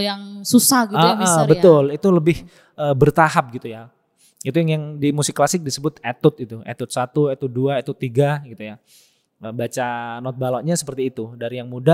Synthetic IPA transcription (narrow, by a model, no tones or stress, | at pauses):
jaŋsusaɡiaʔabət̪ʊlit̪uləbɪh | əːbərt̪aɦap̚ɡit̪uja | it̪ujaŋjaŋdimusɪkːlasɪk̚disəbʊt̪̚et̪ʊt̪̚it̪uʔḛt̪ʊt̪̚sat̪uet̪ʊt̪̚duaet̪ʊt̪ːiɡaɡit̪uja | əbat͡ʃanɔt̪̚balɔʔɲasə̥pərt̪iːt̪udaɾijaŋmuda